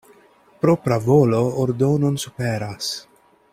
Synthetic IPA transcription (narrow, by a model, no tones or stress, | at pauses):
pɾopɾavolooɾd̪ownonsupeɾas